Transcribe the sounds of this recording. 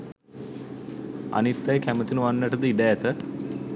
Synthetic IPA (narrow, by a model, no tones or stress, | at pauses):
a̰nit̪ːajəkæmət̪inuʋanːəʈəd̪əiɖææt̪ə